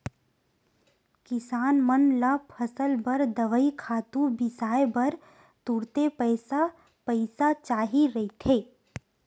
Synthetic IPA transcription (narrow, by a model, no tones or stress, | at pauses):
kɪsaːnmənlapʰəsəlbəɾd̪əʋəikʰaːt̪ũbɪsaːebəɾ | t̪uːɽt̪epəɪsa | pəɪsat͡ʃaːɦiɾɐɦit̪ʰɦeː